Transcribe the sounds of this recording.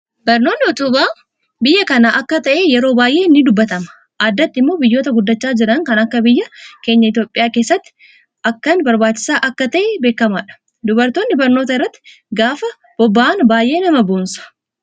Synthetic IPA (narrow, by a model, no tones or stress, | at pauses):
bɐɾno̞ːnːɪɔt̪ʊbaː | bɪjːɐkɐnaːʔɐkːɐt̪ɐʔeːjɛɾo̞ːbaːjʔeːnːɪd̪ʊbːɐt̪ɐmɐ̥ | ʔaːd̪ːɐt̪ːɪmːo̞ːbɪjːoːt̪ɐɡʊd̪ːɐt͡ʃːaːd͡ʒɪɾɐŋkɐnɐkːɐbɪjːɐke̞ːɲːɐɪt̪jo̞ːpʼːɪjaːke̞ːsːɐt̪ːɪ̥ | ɐkːɐnbɐɾbaːt͡ʃːɪ̥saːʔɐkːɐt̪ɐʔebe̞ːkːɐmaːᶑɐ̥ | d̪ʊbɐɾt̪o̞ːnːɪbɐɾno̞ːt̪ɐɪrːɐt̪ːɪ̥ | ɡaːfɐ | b̥ɔbːaʔːnbaːjʔe̞ːnɐmɐboːnsɐ̥